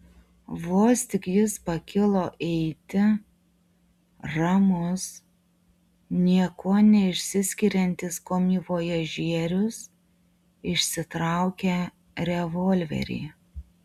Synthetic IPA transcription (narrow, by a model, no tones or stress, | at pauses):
ʋoːsʲt̪ʲɪkjɪspɐkʲɪlˠoːʔɛɪt̪ʲɪ | ɾɑmʊs | nʲiɛkoːnʲɛɪʃʲsʲɪsʲkʲiɾʲɛnʲt̪ʲɪskoːmʲiːʋoːjɛʒʲiɛɾʲʊs | ɪʃʲsʲɪt̪ɾɑˑʊkʲɛ | ɾʲɛʋɔːlʲʋʲɛ̰ɾʲḭː